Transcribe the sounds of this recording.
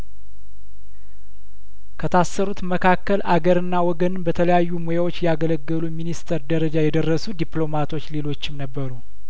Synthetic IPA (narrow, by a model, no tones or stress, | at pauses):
kʰət̪ʰasːəɾut̪məkʰakːəlʔaɡəɾɨnːawɔɡənɨnbət̪ʰələjajːumojawo̞t͡ʃːjaɡələɡːəluminist̪ʰəɾd̪əɾəd͡ʒajɛd̪ərːəsud̪iplo̞mat̪ʰo̞t͡ʃːle̞lo̞t͡ʃːɪmnəbːəɾu